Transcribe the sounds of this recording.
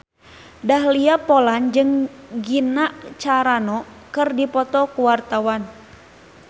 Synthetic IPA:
daɦliapɔland͡ʒɨŋ | ɡinaʔt͡ʃaɾanɔ | kɨrdipɔt̪ɔkuwart̪awan

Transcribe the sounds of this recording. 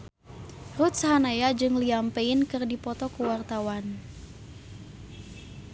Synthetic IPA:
rut̪̚saɦanajad͡ʒɨŋliampeinkɨrdipɔt̪ɔkuwart̪awan

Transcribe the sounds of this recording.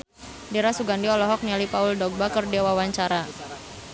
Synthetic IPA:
diɾasuɡandiɔlɔɦɔk̚nialipaʊldɔk̚bakərdiawawaɲt͡ʃaɾa

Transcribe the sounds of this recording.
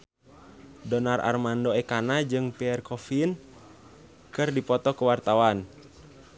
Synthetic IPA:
dɔnarʔa̰rmandoɛkanad͡ʒɨŋpiɛrkɔfin | kɨrdipɔt̪ɔkəwart̪awan

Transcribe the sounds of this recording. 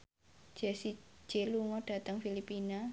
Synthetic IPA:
d͡ʒ̥ɛsi̥d͡ʒ̥eluŋɔɖ̥a̤t̪əŋfilipina

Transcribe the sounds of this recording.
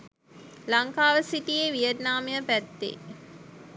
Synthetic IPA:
laŋkaːʋəsiʈijeːʋijət̪naːmejəpæt̪ːḛ

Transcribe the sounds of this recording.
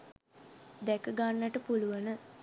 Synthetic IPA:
d̪ɛkəɡanːəʈəpuluʋənə

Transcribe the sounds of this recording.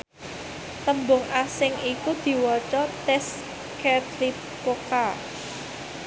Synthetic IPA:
t̪əmbʊŋʔasɪŋikud̪̥i̤wɔt͡ʃɔt̪ɛs | kɛd̪li | poka

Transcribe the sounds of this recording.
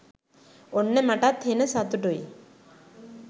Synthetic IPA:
onːemaʈat̪henəsat̪uʈuj

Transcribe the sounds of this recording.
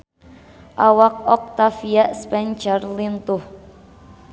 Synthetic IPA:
ʔawak̚ɔk̚t̪afiaʔspɛnt͡ʃarlint̪uh

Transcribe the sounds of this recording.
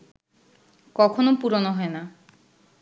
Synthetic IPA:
kɔkʰonopuɾonoɦɔena

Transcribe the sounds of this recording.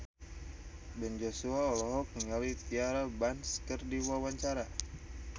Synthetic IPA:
bɛnd͡ʒosuaɔlɔɦɔk̚əŋalit̪iaɾabanskərdiwawaɲt͡ʃaɾa

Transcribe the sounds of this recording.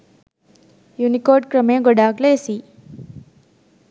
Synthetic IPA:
junikoːɖkɾɐmej̃ŋɡɔɖaːɡleːsi

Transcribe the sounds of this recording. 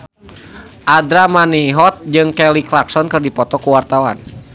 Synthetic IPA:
ʔadɾamaniɦɔt̪̚d͡ʒɨŋkɛliklaksɔnkɨrdipɔt̪ɔkuwart̪awa̰n

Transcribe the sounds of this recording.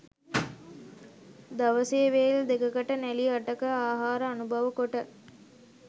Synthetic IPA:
d̪ɐʋəseːʋejild̪ekɐkɐʈənɛliɐʈɐkəaːɦaːɾəɐnubʱɐʋəkoʈə

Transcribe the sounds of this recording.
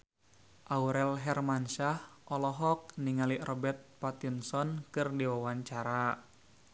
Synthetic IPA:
ʔauɾɛlɦɛrmanʃahʔɔlɔɦɔk̚niŋaliʔrɔbɛrt̪̚pat̪insɔnkɨrdiwawaɲt͡ʃaɾa

